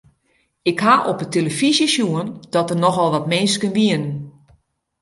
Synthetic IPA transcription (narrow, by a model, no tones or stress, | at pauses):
ɪkhaʔopəteləfizjiʃjuənd̥ɔtərnɔxɔlˠʋɔtmɪnskənʋiənən